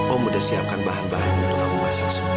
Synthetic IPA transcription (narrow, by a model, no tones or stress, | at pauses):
ɔmudasiaŋkanbaɦanbaɦanunt̪ukabumasasa